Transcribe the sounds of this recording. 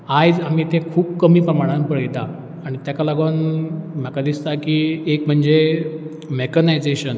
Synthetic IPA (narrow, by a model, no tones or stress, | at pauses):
ajd͡zam̤iːt̪ẽkʰuːbkəmiːpɾəmaɽ̃ãnpəɭjt̪aː | ɽ̃it̪jakalaɡonm̤akad̪ist̪akiːekm̤əɳd͡ze | mekənajd͡zeɕən